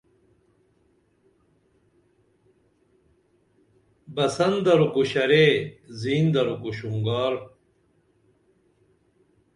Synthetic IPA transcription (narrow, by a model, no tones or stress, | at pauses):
bɐsɐnd̪ɐɾukuɕɐɾeziːnd̪ɐɾukuɕuŋɡaːɾ